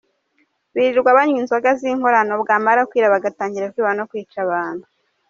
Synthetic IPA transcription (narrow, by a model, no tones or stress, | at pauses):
βiɾiɾɡwaβaɲwiːnzwaɡaziŋho̞ɾano̞bɡaːmaɾakwiːɾaβaɡataːɲɟiɾakwiːβanokwiːt͡ʃaβaːnhu